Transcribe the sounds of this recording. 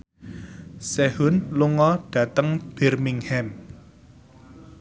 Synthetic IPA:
sɛhʊnluŋɔɖ̥ä̤t̪əŋb̥ɛ̤rmiŋhɛm

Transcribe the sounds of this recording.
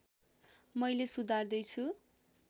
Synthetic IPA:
mʌjlesud̪ʱard̪ʌjt͡sʰu

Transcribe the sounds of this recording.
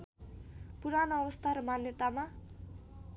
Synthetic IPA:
punanaɾust̪aɾəmanːit̪ama

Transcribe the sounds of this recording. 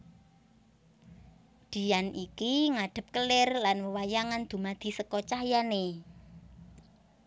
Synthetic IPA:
d̪̥i̤janʔikiŋaɖ̪̥ə̤p̚kəlɪrlanwəwajaŋand̪̥ṳmad̪̥i̤səkɔt͡ʃahjane

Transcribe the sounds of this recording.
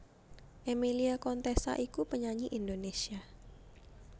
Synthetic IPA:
ʔemiliakɔnt̪esa̰ʔikupəɲaɲiʔindonesia

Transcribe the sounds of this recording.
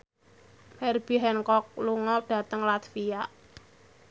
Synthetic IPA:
mɛrb̥i̤ɦɛnkɔk̚luŋɔɖ̥ä̤t̪əŋlat̪fia

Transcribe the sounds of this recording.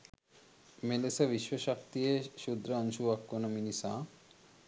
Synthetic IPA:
melesabiʃʋoʃak̚t̪ieʃud̪ɾanʃuakːonominisã

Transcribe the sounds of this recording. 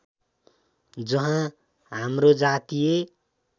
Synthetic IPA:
d͡zʌɦã | ɦamrod͡zat̪ije

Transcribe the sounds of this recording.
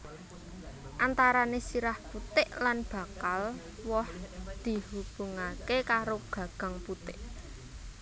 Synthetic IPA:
ʔant̪aɾanesiɾahput̪ɪʔlanb̥a̤kal | wɔhd̪̥i̤hub̥ṳŋakekaɾoɡ̥ä̤ɡ̥a̤ŋput̪ɪʔ

